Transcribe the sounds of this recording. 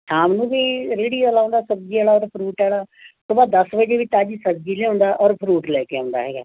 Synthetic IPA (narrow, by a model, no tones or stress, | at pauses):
saːmnũːʋiːɾeːɽiːəlaːnd̪aːsəb̚d͡ʒiːaːlaːɔːɾpʰɾuːʈɛːlaːt̪oːbaːd̪əsʋəd͡ʒeːʋiːt̪aːd͡ʒisəb̚d͡ʒiːleːõːnd̪aːʔɔːɾpʰɾuːʈlɛːkeãːnd̪a̰ːɦɛːɡa̰ː